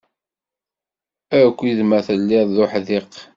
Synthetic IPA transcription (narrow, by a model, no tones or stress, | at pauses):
ækʷːiðmæθəlːiðˤðʊħðiq